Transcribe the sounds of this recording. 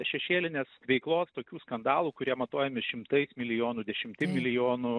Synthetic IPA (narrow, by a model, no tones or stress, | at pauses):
ʃʲɛʃʲeːlʲɪnʲeːsʋʲɛɪklˠoːst̪oːkʲuːskɐnd̪ɑːlˠuːkʊɾʲiɛmɐt̪oːjɛmʲɪʃʲɪmt̪ɐɪsmʲɪlʲɪjoːnuːd̪ʲɛʃʲɪmʲt̪ʲɪmʲɪlʲɪjoːnuː